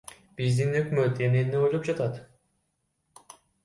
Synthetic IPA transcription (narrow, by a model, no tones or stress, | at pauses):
bizd̪inhøkmøt̪eneniojlˠup̚d͡ʒɑt̪ɑt̪